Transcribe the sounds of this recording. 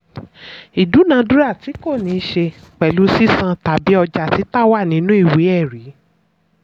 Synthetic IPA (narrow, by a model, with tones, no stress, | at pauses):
i˨du˨˦nã˧˦dũ˦ɾa˦˨ti˨˦ko˦˨nĩ˨˧ʃe˧k͡pɛ˨lu˨˦si˦sã˧ta˨bi˨˦ɔ˧d͡ʒa˨ti˨˦ta˦˨wa˦˨nĩ˨˦nũ˦i˦˨wi˨˦ɛ˦˨ɾi˨˦